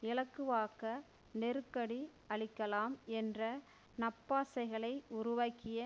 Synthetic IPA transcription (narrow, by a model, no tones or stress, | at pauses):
ɪɭɐkːɯʋaːkɐ | nɛɾɯkːɐɽi | ɐɭɪkːɐlaːmɛndrɐ | nɐpːaːsɐɪɣɐɭɐɪʊɾʊʋaːkːɪjɐ